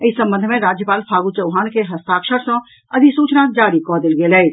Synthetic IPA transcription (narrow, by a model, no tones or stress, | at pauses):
əisə̃mbə̃nd̪ʱmẽɾaːd͡ʒjəpaːlpʰaːɡut͡ʃəʊɦaːnkeɦɐst̪aːkʃəɾsə̃ | ɐd̪ʱisuːt͡ʃnad͡ʒaːɾikɔːd̪ɪlɡeːlɛit̪